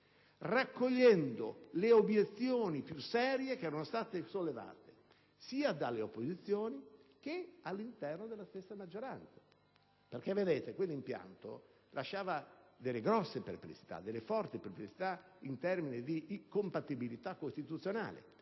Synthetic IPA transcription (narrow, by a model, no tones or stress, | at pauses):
rakːoʎːɛnd̪oleobjet̪sːjoːnipjusɛːɾjek̟ɛːɾanost̪aːt̪esolːeva̰ːt̪e̥ | siːad̪alːeopːozit̪sːjoːnik̟ealːint̪ɛrnod̪elːast̪esːamad͡ʒːoɾant̪sa | perk̟evːed̪eːt̪ekwelːimpja̰nt̪o̰ | lʔaʃːaːvad̪elːeɡɾɔsːepɾeplḭt͡ʃi̥t̪a̰d̪elːefɔrt̪ipɾeplit͡ʃi̥t̪a | int̪ɛrminid̪ikompat̪ibilit̪akːost̪it̪ut̪sːjona̰ːlḛ